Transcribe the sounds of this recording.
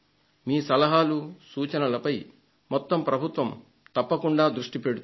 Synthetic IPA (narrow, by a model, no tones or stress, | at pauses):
miːsɐlɐɦaːlusuːt͡ʃɐnɐlɐpɐj | mɔt̪ːɐmpɾɐbʱut̪ʋɐm | t̪ɐpːɐkuɳɖaːd̪ɾuʂʈipeɽut̪